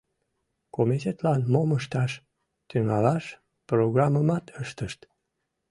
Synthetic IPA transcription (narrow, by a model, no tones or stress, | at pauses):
komit̪ʲet̪lɑnmoməʃt̪ɑʃ | t̪yŋɑlɑʃ | proɣrɑməmɑt̪əʃt̪əʃt̪